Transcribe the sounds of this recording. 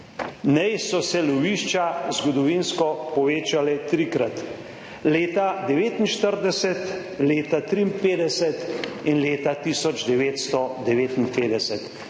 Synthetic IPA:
nɛjsɔsɛlɔʋiːʃt͡ʃazɡɔd̪ɔʋinskɔpɔʋeːt͡ʃalɛt̪ɾikɾat̪ | leːt̪ad̪ɛʋeːt̪inʃt̪əɾd̪ɛsɛt̪ | leːt̪at̪ɾiimpeːd̪ɛsɛt̪inleːt̪at̪iːsɔd͡ʒd̪ɛʋeːt̪st̪ɔd̪ɛʋeːt̪inpeːd̪ɛsɛt̪

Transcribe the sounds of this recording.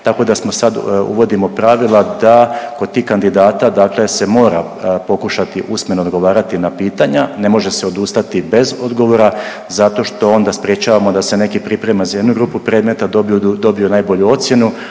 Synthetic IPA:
t̪ako̞d̪asmo̞sad̪ṵʋo̞d̪imo̞pɾaʋilˠad̪ako̞d̪̚t̪iːhkand̪id̪aːt̪ad̪aːkle̞se̞mo̞ːɾa | po̞kuʃat̪iʔusme̞nood̪ɡo̞ʋaːɾat̪inapiːt̪aɲane̞mo̞ʒe̞seo̞d̪ust̪at̪ibe̞zo̞d̪ɡo̞ʋo̞ɾa | zat̪o̞ʃt̪o̞o̞nd̪aspɾje̞t͡ʃaːʋamo̞d̪ase̞ne̞kipɾipɾemazaje̞d̪nuɡɾuːpupɾe̞ːd̪me̞t̪ad̪obd̪o̞bionajbo̞ʎuo̞t̪sje̞nu

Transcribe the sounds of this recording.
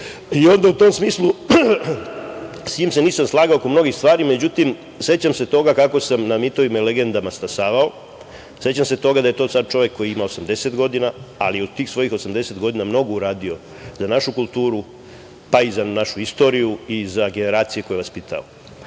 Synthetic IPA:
io̞nd̪aut̪o̞msmiːslˠu | sɲiːmse̞niːsamslˠaːɡaokomno̞ɡist̪ʋaːɾime̞d͡ʑut̪im | se̞t͡ɕamse̞t̪o̞ɡakako̞samnamit̪o̞ʋimale̞ɡe̞nd̪amaspasaːʋao̞ | se̞t͡ɕamse̞t̪o̞ɡad̪aje̞t̪o̞sad̪̚t͡ʃo̞ʋjekʰːo̞jiimaosamd̪e̞set̪ɡo̞d̪inaa̰lijod̪t̪iːxsʋo̞jixo̞samd̪e̞set̪ɡo̞d̪inamno̞ɡouɾaːd̪io̞ | zanaʃukulˠt̪uːɾu | paizanaʃuist̪o̞ːɾijuizaɡe̞ne̞ɾaːt̪sijekojʋaspit̪ʰa̰o

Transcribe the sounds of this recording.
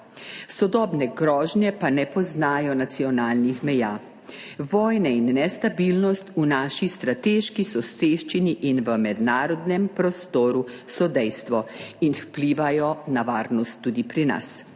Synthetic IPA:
sɔd̪ɔːbnɛɡɾɔːʒnjɛpanɛpɔznaːjɔnat̪siɔnaːlnixmɛjaː | ʋɔːjnɛinːɛst̪abilnɔst̪unaːʃist̪ɾat̪eʃkisɔseʃt͡ʃiniʔinʋəmɛd̪naːɾɔd̪nɛmpɾɔst̪oːɾusɔd̪ɛjst̪ʋɔinfpliːʋajɔnaʋaːɾnɔst̪ːuːd̪ipɾina̰s

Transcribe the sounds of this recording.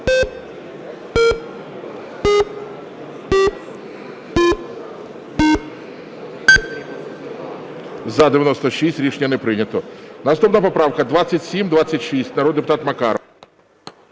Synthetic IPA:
zɐd̪ɪʋʲjɐnɔst̪ɔʃisʲtʲɾʲiʃenʲːɐnɛpɾɪnʲɐt̪ɔnɐst̪upnɐpɔpɾɑwkɐd̪ʋat͡sʲːɐtʲsʲimd̪ʋat͡sʲːɐtʲʃisʲtʲnɐɾɔd̪d̪epʊt̪ɑt̪mɐkɑɾɔ

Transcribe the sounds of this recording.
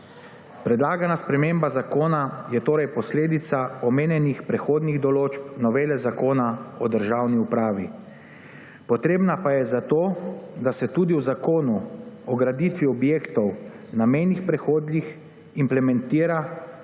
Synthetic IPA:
pɾɛd̪laːɡanaspɾɛmembazakoːnajɛt̪oːɾɛjpɔsleːd̪it̪saɔmeːnjɛnixpɾɛxoːd̪niɣd̪ɔloːt͡ʃpnɔʋeːlɛzakoːnaɔd̪əɾʒaːwniupɾaːʋi | pɔt̪ɾeːbnapajɛzat̪oːd̪asɛt̪uːd̪iwzakoːnuɔɡɾad̪it̪ʋiɔbjeːkt̪ɔw | namɛjnixpɾɛxoːd̪lix | implɛmɛnt̪iːɾa

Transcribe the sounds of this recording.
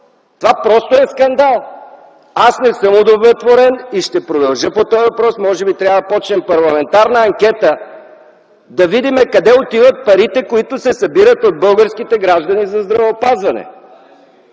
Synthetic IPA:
t̪ovapɾɔst̪oɛskɐnd̪alˠ | asnɛsəmod̪ovɾɛt̪voɾɛniʃt̪ɛpɾod̪ɐlˠʒəpot̪ɔjvɐpɾɔsmɔʒɛbit̪ɾʲavəd̪ɐpɔt͡ʃnɛmpɐɾlˠɐmɛnt̪aɾnəɐŋkʲɛt̪ə | d̪ɐvid̪imɛkɐd̪ɛot̪ivət̪̚pɐɾit̪ɛkoit̪ʊsɛsɐbiɾət̪od̪̚bɤlˠɡəɾskit̪ɛɡɾaʒd̪ɐnizɐzd̪ɾɐvɛopazvɐnɛ̰

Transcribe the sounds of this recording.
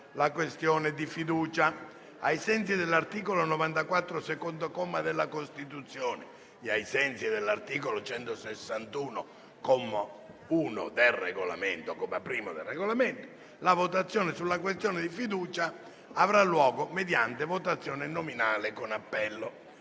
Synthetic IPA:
lakwest̪jɔːned̪ifid̪uːt͡ʃa | ajsɛnt̪s̬id̪elːart̪iːkolonɔvant̪akwat̪ːɾosekond̪okɔmːad̪elːakost̪it̪ut̪sːjɔːneː | ajsɛnt̪sid̪elːart̪iːkolot͡ʃɛnt̪osesːant̪uːno | komːa | uːno̰d̪elreɡola̰ment̪okomapɾiːmod̪elrːeɣolament̪o | lavot̪at̪sːjɔːnɪsulːak̬west̪jɔːned̪ifid̪uːt͡ʃaː | vɾalːwɔːɡomed̪jant̪evot̪at̪sːjɔːnɪnominaːlekonapːɛlːo

